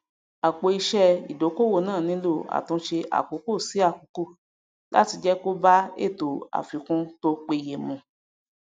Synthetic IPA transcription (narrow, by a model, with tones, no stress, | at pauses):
a˨k͡po˧˦i˧ʃɛ˧ḭ˨do˨˦ko˦˨wo˦˨nãː˦˨nĩ˨˦lo˦˨a̰˨tũ˧ʃe˧ʔa̰˨ko˨˦ko˦˨si˨˦a˦˨ko˨˦ko˦˨ | la̰˦ti˧d͡ʒɛ˦ko˦ba˦ḛ˦˨to˨a̰˨fĩ˨kũ˧to˧k͡pe˧˨je˨mũ˧